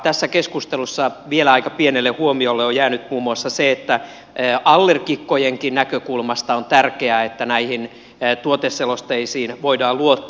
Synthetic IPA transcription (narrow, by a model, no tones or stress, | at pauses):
t̪æsːækeskust̪elusːɑʋielæɑikɑpienelːehuomiolːeojæːnyt̪muːmuɑsːɑseet̪ːæː | ʔɑlːerkikːojeŋkinnækøkulmɑst̪ɑont̪ærkeæet̪ːænæihinː | t̪uot̪esːelost̪eisiːnʋoidɑːlluot̪ː